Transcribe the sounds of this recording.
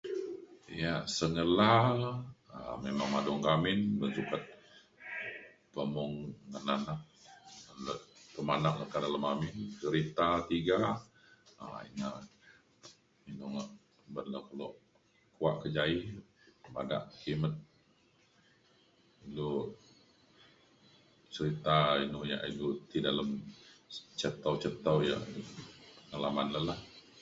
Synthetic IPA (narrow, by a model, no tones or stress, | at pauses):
jasəŋəla | a̰memaŋmadɔŋkamɪnbənsukət̪̚ | pəmɔŋːənanaʔ | ənləpəmanaʔləkadaləmamɪnt͡ʃəɾit̪at̪iɡa | a̰ḭnaʔ | inuŋaʔ | bənləhkəloʔ | kuaʔkəd͡ʒaihəmada̰ʔkimət̪̚ | ilu | t͡ʃəɾit̪ainuhja̰ʔilut̪idaləm | t͡ʃət̪əwt͡ʃət̪awja̰ʔ | əŋalamanləlah